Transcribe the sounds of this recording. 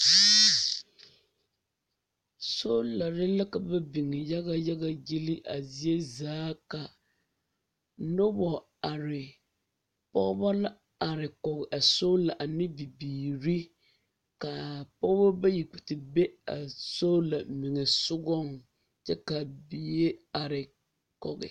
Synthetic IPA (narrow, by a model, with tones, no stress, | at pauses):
so˦la˨ɾɪ˦la˦ka˨ba˦bi˨ŋɪ˨ja˦ɣa˦ja˦ɡa˦ji˦li˦ʔa˨zi˦e˦zaː˦ka˨ | no˦bɔ˨ | a˨ɾɪ˨ | pɔ̰˦ɣba˦la˦ | a˨ɾɪ˨kɔ˨ɡɪ˨ʔa˨so˦la˨ʔa˨nɪ˦bi˨biː˨ɾi˦ | ka˨pɔ˦ɣba˦ba˦ji˨k͡pi̥˨tɪ˨be˦a˨so˦la˨mi˨ŋɛ˨sʊ˦ɡɔ˦˨ŋ | t͡ʃɛ˦ka˨bi˨˦e˦a˨ɾɪ˨ | kɔ˨ɣɪ̰˨